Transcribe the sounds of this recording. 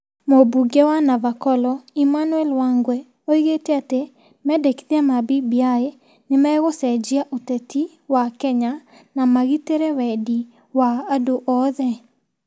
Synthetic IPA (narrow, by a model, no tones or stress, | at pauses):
mobuɡewanavakɔlɔimanuɛlwaŋɡwɛ | oiɣeteate | mɛdekiðiamabibiae | nɪmɛɣosɛd͡ʒiaʔutɛti | wakɛɲa | namaɣiteɾewɛdi | waːdoʔɔðɛ